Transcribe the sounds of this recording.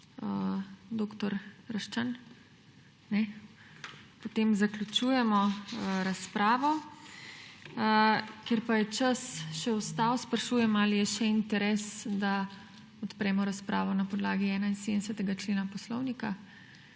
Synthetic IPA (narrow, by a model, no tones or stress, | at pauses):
əd̪oːkt̪ɔɾɾɐʃt͡ʃan | nɛ | pot̪eːmzaklʲut͡ʃuːjɛmɔɾaspɾaːʋɔ | kjeɾpajɛt͡ʃəsʃɛɔst̪aːwspɾɐʃuːjɛmaːlijɛʃɛint̪ɛɾɛːsd̪a | ɔt̪pɾɛːmɔɾaspɾʔaːʋɔnapɔd̪laːɡiɛːnainseːd̪nɛsɛt̪ɛɡat͡ʃleːnapɔslɔwnika